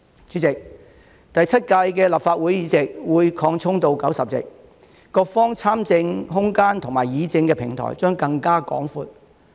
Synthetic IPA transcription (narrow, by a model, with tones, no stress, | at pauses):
t͡ʃyː˨˥t͡sɪ˨k̚ | t̪ɐ˨jt͡sʰɐ˥t̚kɐ˧jkɛː˧lɐ˨p̚faː˧t̚wu˨˥jjiː˨˧t͡sɪ˨k̚wuː˨˧jkʰɔː˧ŋt͡sʰʊ˥ŋt̪o˧wkɐ˨˥wsɐ˨p̚t͡sɪ̰˨˩k̚ | kɔː˧k̚fɔː˥ŋt͡sʰaː˥mt͡sɪ˧ŋɦʊ˥ŋkaː˥nt̪ʰʊ˨˩ŋmaː˨˩jiː˨˧t͡sɪ˧ŋkɛː˧pʰɪ˨˩ŋt̪ʰɔ̰ː˨˩jt͡ʃœː˥ŋkɐ˧ŋkaː˥kɔ̰ː˨˥ŋfuː˨˧t̚